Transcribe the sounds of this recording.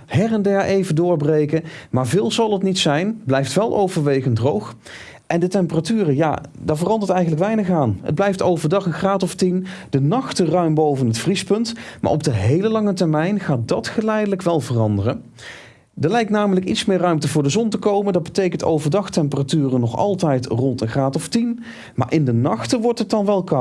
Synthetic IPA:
hɛrɛndɛɹʔejvəndʊːɹbrejkəmaːɹvɪːlˠzɑlˠətnitsɛjnblɛjftʋɛlˠʔo̰wvəɹʋejχəndrowx | ʔɛndətɛmpəratyːrəja̰ːdaːɹvərɑndəɹtɛjχənlək̬ʋɛjnəχaːnɦə̰d̚blɛjftowvəɹdɑχənχraːtɔftind̥ənɑχtərœɥmbowvənɦətfrispɵntma̰ːɹɔb̚dəɦejləlɑŋətɛɹmɛjnχaːt̚dɑtχəlɛjdələkʋɛlˠvərɑndərən | dəɹlɛjk̚naːmələkitsmɪːɹrœɥmtəvʊːɹdəzɔntəkowməndɑd̚bətejkənto̰wvəɹdɑχtɛmpəratyːrənɔχɑ̰lˠtɛjtrɔntənχraːtɔftin | ma̰ːɹʔɪndənɑχtəʋɔɹtɦət̚dɑnʋɛlˠkɑ

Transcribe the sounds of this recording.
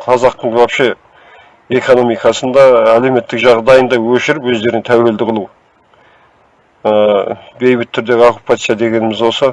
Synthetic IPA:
qʰɑzɑqt̪əɴʒwɑpʃə | e̞ko̞no̞mijkɑsənd̪ɑæle̞me̞t̪ːɪkʒɑʁd̪ɑjənd̪ɑwɵʃɪɾɪpwɵzd̪e̞ɾɪŋt̪ʰæwe̞ld̪ɪqʰəlˠu | əbe̞jbɪt̪ʰːʏɾd̪e̞ɡʲokupat̪sijad̪e̞ɡʲe̞nɪmɪzwo̞sə

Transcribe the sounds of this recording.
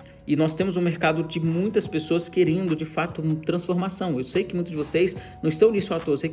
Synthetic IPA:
ɪnɔst̪ẽmʊzũmeɾkad̪ʊd͡ʒɪmũj̃t̪ɐspesoɐskeɾẽnd̪ʊd͡ʒɪfat̪ʊt̪ɾɐ̃sfoɾmasɐ̃w̃ewsejʊkɪmũj̪̃ʊzd͡ʒɪvosejznɐ̃w̃ɪst̪ɐ̃w̃d͡ʒisʊat̪oɾse

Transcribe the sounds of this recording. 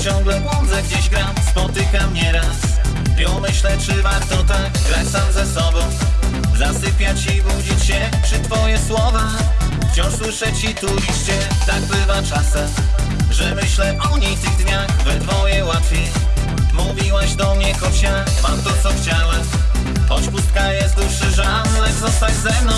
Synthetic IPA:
t͡ɕɔ̃wŋɡlɛʔɔnd̪zɛɡd͡ʑeʑɡɾamspɔt̪ɘkamɲɛɾas | ɛmɘɕlɛt͡ʂɘvaɾt̪ɔt̪aɡɡɾat͡ɕsamzɛsɔbɔ̃w̃zasɪpʲjat͡ɕibud͡ʑit͡ɕɕɛpʂɨt̪fɔjɛswɔva | ft͡ɕɔ̃w̃ʂswɘʂɛt͡ɕit̪ɾud͡ʑit͡ɕɕɛt̪aɡ̚bɘvat͡ʂasɛmʐɛmɘɕlɛʔɔɲift̪ɨɣd̪ɲaxvɛt̪fɔjɛwat̪fʲjej | muvʲiwaʑd̪ɔmɲɛkɔɕa | pamt̪ɔt̪sɔxt͡ɕawɛm | xɔt͡ɕpust̪̚kajɛst̪uʂɘʐa | nɛzɔst̪ad͡ʑzɛvnɔ̃

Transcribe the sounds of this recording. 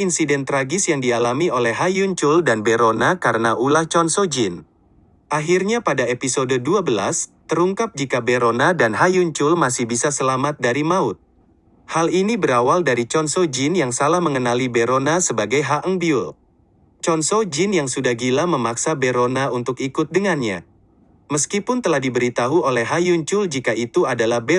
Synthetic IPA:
insidɛnt̪ɾaɡɪsjaŋdialamiolɛhɦajuɲt͡ʃʊldanbeɾonakaɾənaʔulaht͡ʃɔnsod͡ʒɪn | ʔaɦirɲapadaepisododuabəla̰st̪əɾuŋkap̚d͡ʒikabeɾonadanɦajuɲt͡ʃʊlmasɪhbisasəlamat̪̚daɾimaʊt̪̚ | halinibəɾawaldaɾit͡ʃɔnsod͡ʒɪnjaŋsalahməŋənalibeɾonasəbaɡajɦaʔəŋbiʊl | t͡ʃɔnsod͡ʒɪnjaŋsudahɡilaməmaksabeɾonaunt̪ʊkikʊt̪̚dəŋanɲa̰ | məskipʊnt̪əlahdibəɾit̪aɦuolɛhɦajuɲt͡ʃʊld͡ʒikait̪uadalahbe

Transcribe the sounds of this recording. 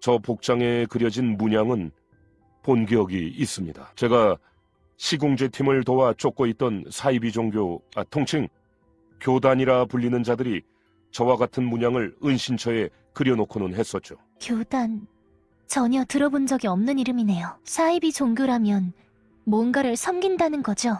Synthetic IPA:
t͡ɕʌpok̚t͡ɕ͈aŋe̞kɯɾjʌd͡ʑinmuɲaŋɯn | ponɡiʌɡiːs͈ɯmɲidat͡ɕe̞ɡa | ɕʰiɡoŋd͡ʑe̞tʰimɯɭtowat͡ɕ͈ok͈oit̚t͈ʌnsʰaibid͡ʑoŋɡjoatʰoŋt͡ɕʰiŋ | kjodaɲiɾapuʎːinɯnd͡ʑadɯɾi | t͡ɕʌwaɡatʰɯnmuɲaŋɯɭɯnɕʰint͡ɕʰʌe̞ | kɯɾjʌnokʰonɯnɦe̞s͈ʌt̚t͡ɕ͈o | kjod̥an | t͡ɕʌɲʌtɯɾʌbond͡ʑʌɡiʌmnɯniɾɯmine̞josʰaibit͡ɕoŋɡjoɾamjʌn | mwʌnɡaɾɯɭsʰʌmɡindanɯnɡʌd͡ʑo

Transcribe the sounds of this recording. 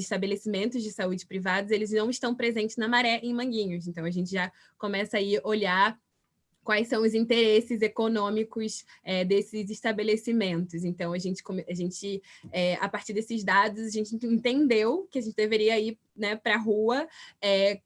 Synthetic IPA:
ɪʃt̪abelesimẽnt̪ʊzd͡ʒɪsaud͡ʒɪpɾivad̪ʊzelɪznɐ̃w̃ɪʃt̪ɐ̃w̃pɾezẽnt͡ʃɪznɐmaɾɛʔẽj̃mɐ̃ɡĩɲʊs̬ẽnt̪ɐ̃w̃ɐʒẽnt͡ʃɪʒa | komɛsɐaiʔoʎa | kwajsɐ̃w̃ʊzĩnt̪eɾesɪzekonõmikʊsɛd̪esɪziʃt̪abelesimẽnt̪ʊzẽnt̪ɐ̃w̃ɐʒẽnt͡ʃɪ̥kõmaʒẽnt͡ʃɪɛa̰paɾt͡ʃiɾd̪esɪzd̪ad̪ʊzɐʒẽnt͡ʃɪ̃ẽnt̪ẽnd̪ewkɪɐʒẽnt͡ʃɪd̪eveɾiɐi | nɛpɾɐɦuɐɛ

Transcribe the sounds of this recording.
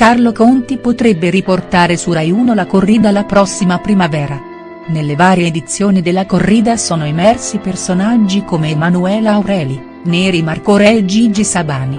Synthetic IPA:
karlokont̪ipot̪ɾebːeɾiport̪aːɾesurajuːnolakorːiːd̪alapɾɔsːimapɾimavɛːɾa | nelːevaːɾjed̪it̪sːjoːnid̪elːakorːiːd̪asɔːnoemɛrsipersonad͡ʒːikomemanuɛːlaːwɾɛːli | neːɾimarkoɾɛd͡ʒid͡ʒisabaːni

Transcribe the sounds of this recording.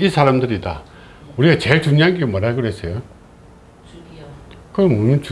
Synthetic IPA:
isʰaɾamdɯɾida̰ | uɾiɡat͡ɕeɭt͡ɕuɲiɦanɡemʌɾɦaɭɡɯɾesʰejo | kɯɾʌmmunt͡ɕ

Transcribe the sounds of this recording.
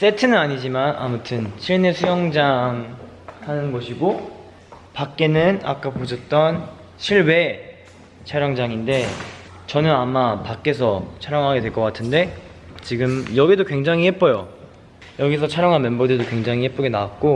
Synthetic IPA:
s͈e̞tʰɯnɯnaɲid͡ʑimana̰mutʰɯnɕʰiɭnesʰujʌŋd͡ʑaŋ | hanɯnɡʌɕʰiɡo | pak͈e̞nɯna̰k͈apod͡ʑʰʌt̚t͈ʌn | ɕʰiɭwe̞ | t͡ɕʰaɾjaŋd͡ʑaŋinde̞ | t͡ɕʌnɯnamapak͈e̞s̬ʰʌt͡ɕʰaɾjaŋɦaɡe̞dwe̞ɭk͈ʌk͈atʰɯnde̞ | t͡ɕiɡɯmjʌɡidokwe̞ŋd͡ʑaŋihep͈ʌjo | jʌɡisʰʌt͡ɕʰaɾjaŋɦanmenbʌdedokwe̞ŋd͡ʑaŋihe̞p͈oɡenawak̚k͈o

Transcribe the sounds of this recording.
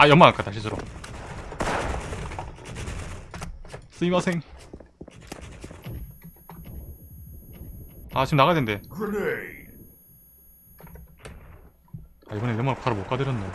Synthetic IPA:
ajʌŋmaak͈ataɕ̬ʰis̬ʰɯɾo | s͈ɯimasʰeŋ | at͡ɕimnaɣadende̞kɾe | aibʌnejʌŋmakaɾomok͈adeɾjʌnːe

